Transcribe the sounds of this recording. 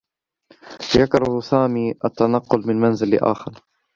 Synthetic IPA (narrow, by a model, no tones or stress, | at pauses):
jakɾˤɑhsaːmiːʔat̪ːanɑqːʊlmɪnmanzɪlɪ̰ʔa̰ːxɪɾˤ